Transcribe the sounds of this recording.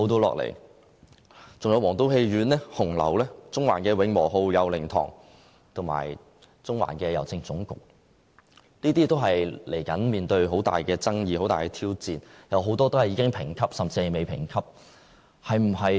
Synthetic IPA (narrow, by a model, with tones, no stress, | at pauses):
o˧wt̪o˥wlɔ̰ː˨k̚lḛ˨˩j | t͡sʊ˨ŋjɐ˧wɔː˨˩ŋt̪o˥whe˧jɥyː˨˥nlɛː˥hʊ˨˩ŋlɐ̰˨˩wlɛː˥t͡sʊ˥ŋwaː˨˩nkɛː˧wɪ˨˥ŋmɔː˨˩ɦo˧wjɐ˨˧wlɪ˨˩ŋt̪ʰɔ̰ː˨˩ŋ | t̪ʰʊ˨˩ŋma̰ː˨˩j | t͡sʊ˥ŋwa̰ː˨˩nkɛː˧jɐ˨˩wt͡sɪ˧ŋt͡sʊ˨˥ŋkʊ̰˨k̚ | niː˥t̪iː˥t̪o˥wɦɐ˨jle˨˩jkɐ˨˥nmiː˨nt̪ɵ˧ɥɦo˨˥wt̪a̰ː˨jkɛː˧t͡sɐ˥ŋjiː˧o˨˥wt̪aː˨jkɛː˧t̪ʰiː˥wt͡siː˨njɐ˨˥wɦo˨˥wt̪ɔː˥t̪o˥whɐ˨jːiː˨˧˥ɪ˥ŋpʰɪ˨˩ŋkʰɐ˥p̚sɐ˨mt͡siː˧hɐ˨jme˨jpʰɪ̰˨˩ŋkʰɐ˥p̚ | hɐ˨jm̩˨˩ɦɐ˨j